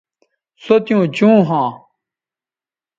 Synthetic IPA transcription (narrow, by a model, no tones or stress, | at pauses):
sot̪jũːt͡ɕũːɦãː